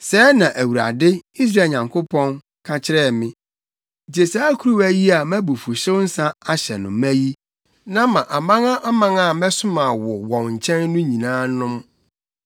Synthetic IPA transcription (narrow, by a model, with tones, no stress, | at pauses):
sɛː˦nã˨ʔæ˨wu˨ɾa̰˨dɪ˦i˦s̬ɾaː˦˨ɲã˨ŋkʰo˦pʰɔ̃˦n | kʰa˦t͡ɕʰɪ˦ɾɛ˦˨mɪ̃˦˨ | d͡ʑe˨sa˦kʰu˦ɾu˦æ˦ji˦a˨mæ̃˦bu˨fu˨ɕɪ˦wn̩˦sã˦a˦ɕɛ˨nʊ̃˨mæ˦ji˦ | nã˦mã˨ʔa˨mã˦ŋã˦ʔa˦mã˦ŋa˦˨mɛ̃˦sʊ˦mã˨wɔ˨wɔ̃˨nɲ̩˨t͡ɕʰɛ̃˦nːʊ̃˦ɲĩ˨nãː˦nʊ̃˦m